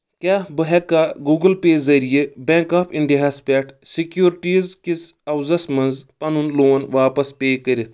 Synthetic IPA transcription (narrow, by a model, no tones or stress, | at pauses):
kʲaːbɨɦekːaːɡuːɡɨlpeːzɐɾijibẽːŋkaːpʰiɳɖiaːspʲɛːʈʰsikjuːɾʈiːzkit͡sɐwzɐsmɐnzpɐnunloːnʋaːpɐspeːkəɾit̪ʰ